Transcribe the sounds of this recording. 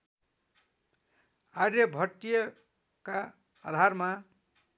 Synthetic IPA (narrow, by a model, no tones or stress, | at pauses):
aɾjʌbʱʌʈ̪ːijʌ | ka | ʌ̰d̪ʱarma